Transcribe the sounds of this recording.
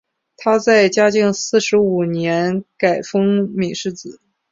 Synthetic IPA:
t̪ʰa˥t͡sa˥˩ɪt͡ɕja˥t͡ɕi˥˧ŋsɹ̩˥˩ʂɻ̩˧˥u˨˩njɛ˧˥nka˨˩ɪfɤ˥ŋmi˨˩ʂɻ̩˥˩t͡sɹ̩˨˩˦

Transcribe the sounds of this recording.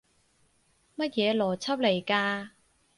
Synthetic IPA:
mɐ˥t̚jɛː˨˧lɔː˨˩t͡sʰɐ˥p̚le˨˩jkaː˧

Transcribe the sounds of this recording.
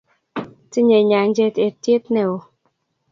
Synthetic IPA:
ti˦ɲe˨ɲa˨ŋ˦d͡ʒe˦te˨tje˦t̚nɛ˦˨o˨

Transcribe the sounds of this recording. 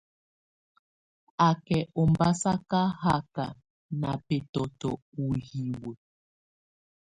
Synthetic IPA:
a˨kɛ˨ʔɔ˨mba˦sa˦ka˦ha˦ka̰˨ | na˨pe˨tɔ˨tɔ˨ | u˨hi˨we˨

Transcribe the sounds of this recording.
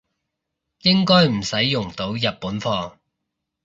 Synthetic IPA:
jɪ˥ŋkɔː˥jm̩˨˩sɐ˨˥jːʊ˨˩ŋt̪o˨˥wjɐ˨t̚puː˨˥nfɔː˧

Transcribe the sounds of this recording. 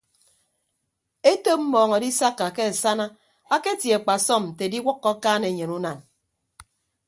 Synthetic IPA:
e˦to˦p̚m̩˦mɔː˨ŋɔ˨di˦sa˦kːa˨ke˦a˨sa˦na˦ | a˦ke˦tje˨k͡pa˨sɔ˦˨m̩˨te˨di˦wɔ˦kːɔ˦kaː˦ne˨ɲe˨nu˦na˨n

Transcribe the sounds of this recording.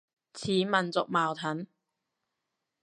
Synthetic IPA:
t͡sʰiː˨˥mɐ˨nt͡sʊ˨k̚maː˨wt̪ʰɐ˨˥n

